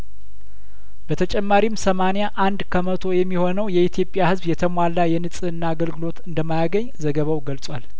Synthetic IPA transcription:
b̥ət̪ʰət͡ʃʼɛmːaɾimsəmanijaʔand̪kʰəmət̪ʰo̞jɛmːiho̞nəwjɛit̪ʰjo̞pʼːjahɨzβjɛt̪ʰəmʷalːajɛnɨsʼɨɨnːaːɡəlɡɨlo̞t̪ɨnd̪əmːajaɡəɲːzəɡəβawɡəlsʼwal

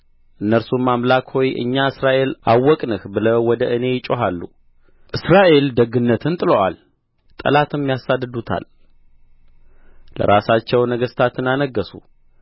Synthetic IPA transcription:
ʔɨnːəɾsumːamlakho̞jʔɨ̰ɲːaɨsɾaʔe̞lawːɔkʼnɨhbɨləwwːɔd̪əʔɨne̞jɪt͡ʃʼoɦalːu | ʔɨsɾaʔe̞ld̪əɡɨnːət̪ʰɨnt̪ʼɨloʔa̰l | t̪ʼə̰lat̪ʰɨmːjasad̪ɨd̪ut̪ʰa̰l | lə̰ɾasat͡ʃːɛwnəɡəst̪ʰat̪ɨnanəɡːəsṵ

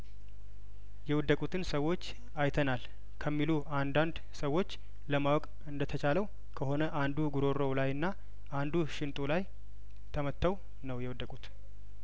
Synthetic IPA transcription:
jɛwɔd̪ːəkʼut̪ʰɨnsəwːo̞t͡ʃː | ajt̪ʰənal | kʰəmːiluʔand̪and̪ | səwːo̞t͡ʃː | ləmawɔkʼ | ɨnd̪ət̪ʰət͡ʃʰaləw | kʰəho̞nəʔand̪uɡuɾoɾowlajɨnːa | ʔand̪uʃɪnt̪ʼulaj | t̪ʰəmət̪ʰːəw | nəwjɛwd̪ːəkʼut̪

